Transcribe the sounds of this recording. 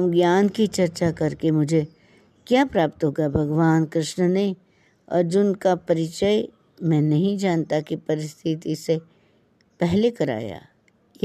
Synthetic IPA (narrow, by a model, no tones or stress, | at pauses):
mɡjaːnkit͡ʃɐɾt͡ʃakɐɾkemʊd͡ʒʱe | kjaːpɾaːpt̪ɦoːɡabʱɐɡʋaːnkɾɪʃɳəne | ɐ̰ɾd͡ʒʊnkapɐɾɪt͡ʃəj | mɛ̃ːnɐɦĩd͡ʒaːnt̪akipɐɾɪst̪ʰɪt̪ise | pɛɦlekɐɾa̰ːja̰ː | j